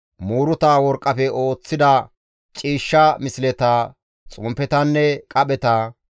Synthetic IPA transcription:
muːɾʊt̪aːwɔɾkʼːɐfɛʔo̞ːt͡sːɪd̪ɐ | t͡ʃʼiːʃːɐmɪslɛt̪a | t͡sʼʊmpɛt̪ɐnːɛkʼɐɓɛt̪aː

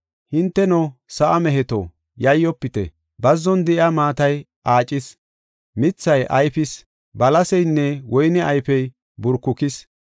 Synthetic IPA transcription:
hɪnt̪ːɛnɔsɐʔɐmɛɦɛt̪ɔ̰ | jɐjːɔpːɪt̪ɛ̰ | bɐzːɔnd̪ɪʔamaːt̪ɐj | ʔaːt͡ʃʼɪs | mɪt͡sːɐjʔɐjfɪs | bɐlɐsɛjnːɛwɔjnɛɐjfɛj | bʊɾkːʊkɪs

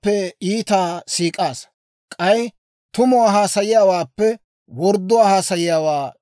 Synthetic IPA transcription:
pːɛiːt̪aːsiːkʼaːs | kʼɐj | t̪ʊmɔwaːɦaːsɐjɪjaːwaːpːɛ | wɔɾd̪ːʊwaːhaːsɐjɪjaːwaː

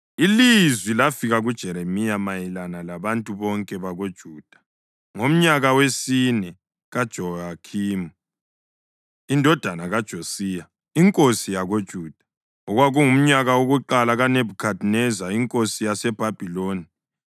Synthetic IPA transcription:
ilizwilafiɣaɣud̥ʒ̥ʱɛɾemijamajilanalaβantʼuβɔŋkʼɛβaɣod̥ʒ̥ʱuːd̥ʱḁ | ŋom̩ɲaɣawesinɛ | ɣad̥ʒ̥ʱɔakʰiːmu | indʱɔd̥ʱanaɣad̥ʒ̥ʱosiːja | iŋkʼosijaɣod̥ʒ̥ʱuːd̥ʱḁ | ɔɣwaɣuŋum̩ɲaɣawoɣuǃalaɣanebʱukʰadʱnɛzaiŋkʼosijasɛb̥ʱab̥ʱiloːni

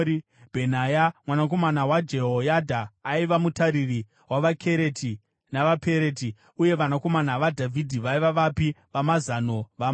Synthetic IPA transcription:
bʱenajamwanak̬o̞manawad͡ʒe̞ɦojadʱaːiʋamutaɾiri | waʋakʰe̞ɾe̞tʰi | naʋape̞ɾet̬i | uje̞ʋanako̞manaʋadʱavʱidʱiʋaiʋaʋapiʋamazano̞ʋam

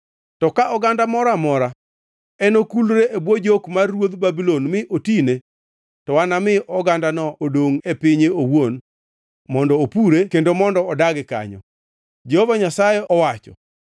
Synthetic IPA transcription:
tɔkaʔɔɡandamɔɾamɔɾa | ɛnokulɾeʔebwod͡ʒokmarːwod̪babilonmɪʔotine | tɔwanamɪʔɔɡandanɔʔodoŋepɪɲeowon | mɔndɔopuɾekendomɔndɔɔdaɡɪka̰ɲɔ̰ | d͡ʒehovaɲasajɛɔwat͡ʃɔ̰

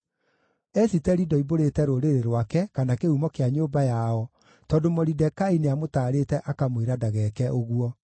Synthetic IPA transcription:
ɛsitɛɾidɔiboɾetɛɾoɾeɾeɾwakɛkanakeumɔkeaɲoːbajaɔ | tɔːndomoɾidɛkaineamotaːɾetɛʔakamweɾadaɣɛkɛʔoɣwɔ

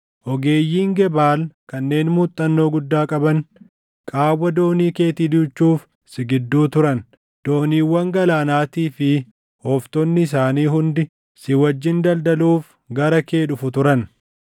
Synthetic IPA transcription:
ʔɔɡe̞ːjːiːŋɡɛbaːlkɐnːe̞ːnmuːt̪ʼːɐnːo̞ːɡʊd̪ːaːkʼɐbɐn | kʼaːwːɐd̪o̞ːniːke̞ːt̪iːd̪ʊt͡ʃːuːf | sɪɡɪd̪ːuːt̪ʊɾɐn | d̪̥o̞ːniːwːɐŋɡɐlaːnaːt̪iːfɪ | hɔft̪ɔnːɪɪs̬aːniːɦʊnd̪ɪ | sɪwɐd͡ʒːɪnd̪ɐld̪ɐluːf | ɡɐɾɐke̞ːᶑʊfʊt̪ʊɾɐn

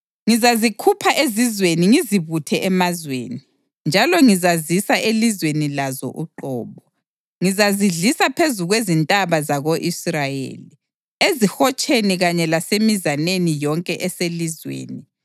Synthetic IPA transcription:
ŋizazikʰupʰaʔezizweniŋiziβutʰɛʔɛmazwḛːni | nd͡ʒʱalɔŋizazisaʔelizwenilazɔ̰ʔṵǃɔ̰ːβɔ | ŋizaziɮisapʰezuɣwezintʼaβazaɣoʔisrajḛːli | ezihɔt͡ʃʼeniɣaɲɛlasemizanenijɔŋkʼɛʔɛselizwḛːni

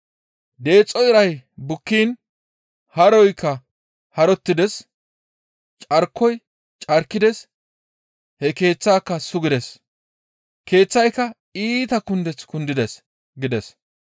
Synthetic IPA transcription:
d̪e̞ːt͡sʼːɔɪɾɐjbʊkːiːn | hɐɾɔjkʰːɐ | hɐɾɔt̪ːɪd̪ɛs | t͡ʃʼɐɾkʰːɔj | t͡ʃʼɐɾkːɪd̪ɛs | hɛke̞ːt͡sːaːkːɐsʊɡɪd̪ɛs | ke̞ːt͡sːɐjkːɐ | iːt̪ɐkʊnd̪ɛt͡skʊnd̪ɪd̪ɛs | ɡɪd̪ɛs

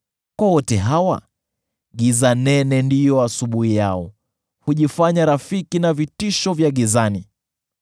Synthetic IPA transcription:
kwawɔtɛɦawa̰ | ɠizanɛnɛndijɔasuɓuhijaɔ | huʄifaɲaɾafikinavitiʃɔvjaɠizani

